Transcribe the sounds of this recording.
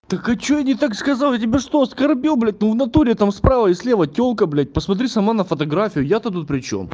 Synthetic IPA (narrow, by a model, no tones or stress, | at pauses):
t̪əkɐt͡ɕːojanʲɪt̪akskɐzɑlˠjatʲɪbʲeʂt̪oskɐrbʲilˠblʲæt̚ʲnuvnɐt̪uɾʲɪt̪amspɾavəɪsʲlʲevətʲolˠkəblʲæt̚ʲpəsmɐt̪̬ɾʲisɐmanəfət̪ɐɡɾafʲɪjʊjat̪ət̪̬ut̪̚pɾʲɪt͡ɕo̰m